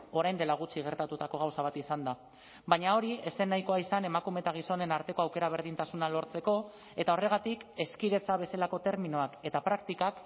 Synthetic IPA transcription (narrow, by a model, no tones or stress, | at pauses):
o̞ɾajnd̪e̞laɣ̞ut͡siɣ̞e̞ɾt̪at̪ut̪ako̞ɣ̞awsaβ̞at̪isand̪a | baɲao̞ɾie̞se̞nːajko̞aisane̞makume̞t̪aɣ̞iso̞ne̞naɾt̪e̞ko̞awke̞ɾaβ̞e̞ɾð̞int̪asunalo̞ɾt͡se̞ko̞ | e̞t̪ao̞re̞ɣat̪ike̞skiɾe̞t͡saβ̞e̞selako̞t̪e̞ɾminoake̞t̪apɾakt̪ikak